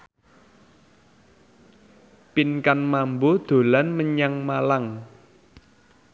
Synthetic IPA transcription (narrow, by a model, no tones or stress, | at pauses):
pinkanmambod̪̥o̤lanməɲaŋmalaŋ